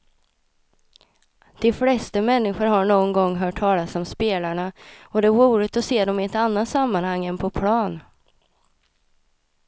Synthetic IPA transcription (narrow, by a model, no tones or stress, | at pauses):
d̪̥ɪflɛst̪əmɛnːɪɧʊɾɦaɳoːɡnɡɔŋːɦœːʈʰːɑːlasɔmspeːlaɳaɔd̪ɛvuːɾɪt̪ɔseːd̪ɔmɪɛt̪anːat̪samːanhaŋːɛnpʰɔpʰlɑːn